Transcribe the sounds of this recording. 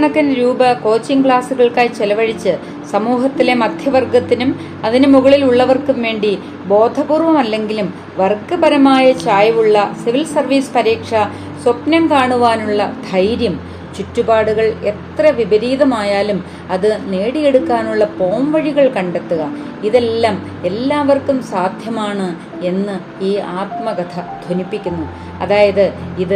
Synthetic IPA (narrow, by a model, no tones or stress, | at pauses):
ɳɐkːɐnɾuːbɐko̞ːt͡ɕːiŋkɭaːsuɣɐɭkaːjt͡ɕelɐʋɐɻit͡ɕːɨ | sɐmuːɦɐt̪ːile̞mɐd̪ʱjɐʋɐrɡɐt̪ːinum | ɐðinɨmuɣɐɭiluɭːɐʋɐrkumʋe̞ːɳɖi | bo̞ːd̪ʱɐɣuːrʋɐmɐlːe̞ŋɡilum | ʋɐrkːɨbɐɾɐmaːjɐt͡ɕaːjɐʋuɭːɐsiʋilsɐrʋiːspɐɾiːkʂɐ | swɐpnɐmkaːɳuʋaːnuɭːɐd̪ʱɐjɾjɐm | t͡ɕutːubaːɽuɣɐɭe̞t̪rɐʋibɐɾiːðɐmaːjaːlum | ɐðɨne̞ːɽije̞ɽukːaːnuɭːɐpo̞ːmʋɐɻiɣɐɭkɐɳɖe̞t̪ːuɣɐ | iðe̞lːaːm | e̞lːaːʋɐrkumsaːd̪ʱjɐmaːɳɨ | e̞nːɨ | iːaːt̪mɐɡɐt̪ʰɐd̪ʱonipːikʲːunːu | ɐ̰ðaːjɐðɨiðɨ